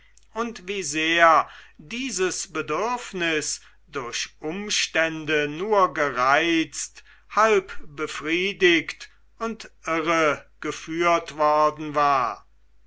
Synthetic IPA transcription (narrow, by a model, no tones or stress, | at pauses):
ʔʊntv̥iːzeːɐdiːzəsbədʏɐfnɪs | d̥ʊɐɕʔʊmʃtɛndənuːɐɡəʁaɪt͡st | halpb̥əfʁ̥iːdɪkt | ʊntʔɪʁəɡ̥əfyːɐtv̥ɔɐdn̩vaːɐ